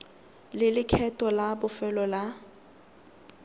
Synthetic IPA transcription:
lɪlɪkʰɛtʼɔlabʊfɛlɔla

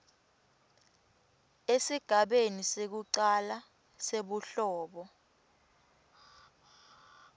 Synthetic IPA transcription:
esiɡ̥ʱaɓenisek̬uǀala | seɓuɬɔːɓɔ

